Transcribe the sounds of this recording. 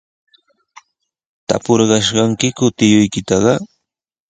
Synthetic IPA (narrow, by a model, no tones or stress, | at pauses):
t̪a̰poɾɢɑʃɢɑŋkɪkʊt̪ɪjʊjkɪt̪ɑɢɑ